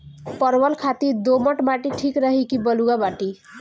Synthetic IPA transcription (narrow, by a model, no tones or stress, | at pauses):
pʌɾwʌlkʰat̪id̪omʌʈmaʈiʈʰikɾʌɦikibʌluɡabaʈi